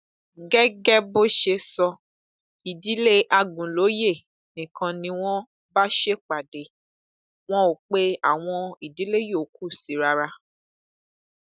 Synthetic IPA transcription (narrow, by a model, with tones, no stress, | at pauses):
ɡɛ˦ɡɛ˦bo˦ʃe˧sɔ˧ | i˨di˨˦le˦ʔa˧ɡũ˨lo˨˦je˦˨ | nĩ˨kʰã˧nĩ˧w̃ɔ̃˦ | ba˦ʃe˦k͡pa˨de˨ | w̃ɔ̃˦o˨k͡pe˦a̰˦˨w̃ɔ̃˧i˨di˨˦le˦jo˦˨kʰu˦˨si˨˦ɾa˧ɾa˧